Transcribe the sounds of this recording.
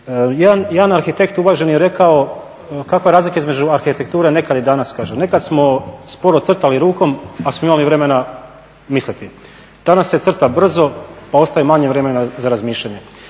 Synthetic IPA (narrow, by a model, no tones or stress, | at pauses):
jed̪anjed̪anaɾxit̪e̞kt̪uʋaʒe̞njeɾe̞kao̞ | kakʋaeɾaːzlikaizme̞d͡ʑuaɾxit̪ek̚t̪uːɾene̞kad̪ed̪anaskaːʒene̞kad̪smo̞spo̞ɾot̪sr̩t̪aliɾuːko̞masmoimaliʋɾe̞me̞na | mislit̪i | d̪̥anasːet̪sr̩t̪abr̩zo̞pao̞st̪ajemaɲeʋɾe̞menazaɾazmiːʃʎaɲe̞